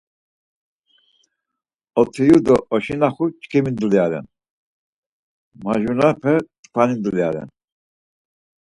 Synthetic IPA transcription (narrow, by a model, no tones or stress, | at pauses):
ɔt̪ʰijud̪ɔɔʃinaχut͡ʃkʰɛmind̪ljaɾɛ̰n | maʒunapʰɛt̪pʰanind̪ljaɾɛ̰n